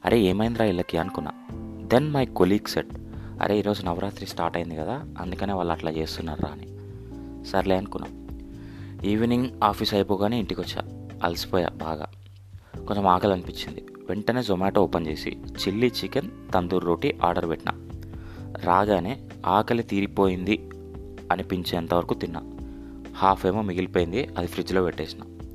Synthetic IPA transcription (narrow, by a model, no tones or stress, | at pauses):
ɐ̰ɾʔe̞eːmɐjnd̪ɾaːilːɐkiɐnukunːa̰d̪enmɐjkoliːɡseɖ | ɐ̰ɾe̞ːiːɾo̞ːzunɐʋɐɾʔaːt̪ɾisʈaːɾʈɐjind̪ikɐd̪aː | ɐ̰nd̪ukɐne̞ːʋaːɭːɐʈlaːt͡ʃe̞ːst̪unːaːɾɾa̰ːni | sɐɾleːɐnukunːa̰ | iːʋniŋɡaːpʰisɐjpoːɡaːneːiɳʈikot͡ʃːa̰ɐ̰lsi̥pɔːja̰ːba̰ːɡa̰ː | ko̞ɲt͡ʃemaːkɐlɐnipiɲt͡ʃind̪i | ʋeɳʈɐne̞ːzomaːʈoɔpɐnt͡ʃe̞ːsḭt͡ʃilːit͡ʃikent̪ɐnd̪uɾːoːʈiʔaːɾɖɐɾʋɛʈnɐ̰ | ɾaːɡaːne̞ː | aːkɐlet̪iːɾipo̞ːjind̪i | ɐnipiɲt͡ʃeːɐnt̪ɐʋɐɾɐkut̪inːa̰ | haːpʰeːmoːmiɡilipoːjind̪iɐd̪ipʰɾid͡ʒlo̞ːʋeʈːeːsina̰